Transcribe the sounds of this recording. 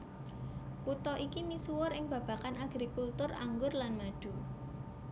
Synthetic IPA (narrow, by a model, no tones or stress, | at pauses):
put̪ɔʔikimisuwʊɾɪŋb̥ä̤b̥a̤kanaɡ̥ɾikult̪ʊra̰ŋɡʊrlanmad̥ṳ